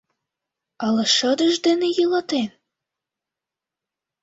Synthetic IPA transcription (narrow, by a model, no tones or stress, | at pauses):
ɑlɤ̆ʃəd̪əʒd̪enejələt̪en